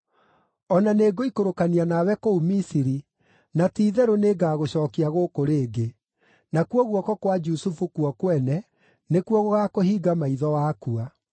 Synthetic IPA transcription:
ɔnaneːɡoikoɾokanianawɛkoumisiɾi | natiːðɛɾoneɡaːɣoɕɔːkiaɣokoɾeːɡe | nakuɔɣwɔkɔkwad͡ʒusufukuɔkwɛnɛ | nekwɔɣoɣakohiːɡamaiðɔwaːkua

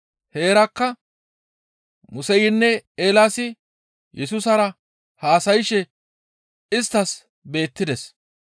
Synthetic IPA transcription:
he̞ːɾɐkːɐ | mʊsɛjɪnːɛeːlaːsɪ | jʔɛsʊsɐɾɐ | haːsɐjɪʃɛ | ɪst̪ːɐs | be̞ːt̪ːɪd̪ɛs

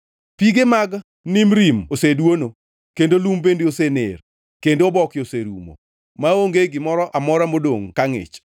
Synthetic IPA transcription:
piɡemaɡ | nimɾimosedwono | kendolumbendeosenḛr | kendoobɔkɪoseɾṵmo̰ | maoŋɡeɡɪmɔɾɔʔamɔɾamodoŋkaŋɪ̰t͡ʃ

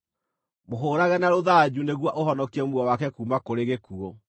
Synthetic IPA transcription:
moɦoːɾaɣɛnaɾoðad͡ʑuneɣwaʔoɦɔnɔkiɛmuɔwakɛkuːmakoɾeɣekuɔ

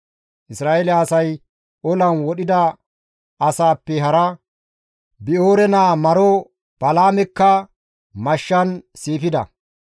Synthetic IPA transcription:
ʔɪsɾaːʔelɛɐsɐj | ʔɔlɐnwɔɗɪd̪ɐ | ɐsaːpːɛɦɐɾɐ | bɪoːɾɛnaːmɐɾɔ | b̥ɐlaːmɛkːɐ | mɐʃːɐnsiːfɪd̪ɐ̰

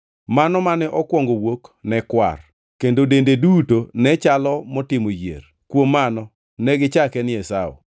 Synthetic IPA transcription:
manɔmanɛʔɔkwɔŋɡowoknɛkwa̰r | kendodendedutonɛt͡ʃalɔmɔtɪmojḛr | kwomːanɔ | nɛɡɪt͡ʃakɛnɛsaɔ̰

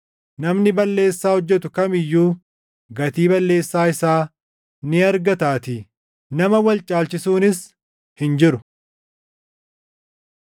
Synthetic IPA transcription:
nɐmnɪbɐlːe̞ːsːaːhɔd͡ʒːɛt̪ʊkɐmɪjːuː | ɡɐt̪iːbɐlːe̞ːsːaːɪsaː | nɪɐɾɡɐt̪aːt̪ɪ | nɐmɐwɐlt͡ʃʼaːlt͡ʃɪsuːnɪs | hɪnd͡ʒɪɾʊ

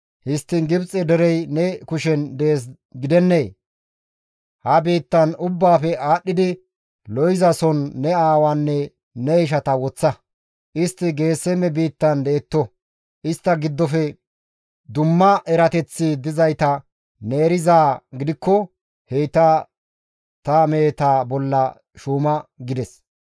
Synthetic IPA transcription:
hɪst̪ːɪnɡɪbt͡sʼɛd̪ɛɾɛjnɛkʊʃɛnd̪eːs̬ | ɡɪd̪ɛnːeː | hɐbiːt̪ːɐnʊbːaːfɛaːɗːɪd̪ɪ | lɔjzɐsɔnːɛaːwanːɛ | nɛɪʃ̬ɐt̪ɐwɔt͡sːɐ | ʔɪst̪ːɪɡe̞ːsːɛmɛbiːt̪ːɐnd̪e̞ːt̪ːɔ | ʔɪst̪ːɐɡɪd̪ːɔfɛ | d̪ʊmːɐʔɛɾɐt̪ɛt͡sːɪd̪ɪzɐjt̪ɐ | ne̞ːɾɪzaːɡɪd̪ɪkːɔ | hejt̪a | t̪ɐmeːt̪aːbɔlːɐ | ʃuːmɐɡɪd̪ɛs

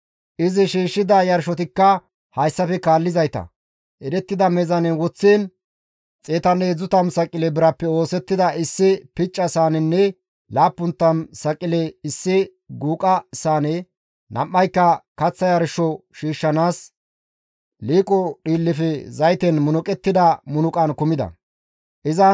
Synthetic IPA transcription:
ʔɪzɪʃiːʃːɪd̪ɐjɐɾʃɔt̪ɪkːɐ | hɐjsːɐfɛkaːlːɪzɐjt̪ɐ̰ | ʔɛɾɛt̪ːɪd̪ɐmɛzɐnɛwɔt͡sːeːn | t͡sʼeːt̪ɐneːd͡zʊt̪ɐmsɐkʼːɪlɛbɪɾɐpːɛo̞ːsɛt̪ːɪd̪ɐɪsːɪpɪt͡ʃʼːɐsaːnɛnːɛ | laːpːʊnt̪ːɐmsɐkʼɪlɛɪsːɪ | ɡuːkʼɐsaːnɛ | nʔɐ̰mːɐjkːɐkɐt͡sːɐjɐɾɪʃɔʃiːʃːɐnaːs | liːkʼɔɗiːlːɪfɛzɐjt̪ɛnmʊnʊkʼɛt̪ːɪd̪ɐmʊnʊkʼɐnkʊmɪd̪ɐ̰ | ʔɪzɐ

